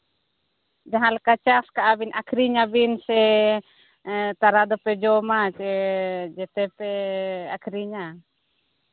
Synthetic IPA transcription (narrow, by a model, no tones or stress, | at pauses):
d͡ʒaɦãlkat͡ʃaskaʔabinʔakʰɾiɲabinsɛ | t̪aɾad̪ɔpɛd͡ʒɔmat͡ʃɛd͡ʒɛt̪ɛpɛakʰɾiɲa